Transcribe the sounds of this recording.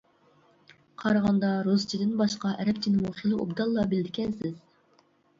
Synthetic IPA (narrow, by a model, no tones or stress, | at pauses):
qʰɑɾɑʁɑnd̪ɑɾuzt͡ʃʰid̪ɪnbɑʃqɑʔɛɾɛp̚t͡ʃ̪ʰinmuχilˠɨṵbd̪ɑlˠːɑbɪld̪ɪkʲɛnsɪz̥